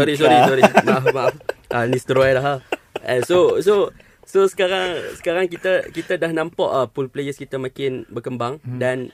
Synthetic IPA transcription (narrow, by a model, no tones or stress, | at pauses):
sɔɾis̬ɔɾiɔɾimaʔafmaʔafʔənist̪əɾɔjlaɦa | ɛnsoso | sosə̥kaɾaŋsə̥kaɾaŋkit̪akit̪adahnãmpɔʔapulplejəskit̪amãkɪnbəkəmbaŋdan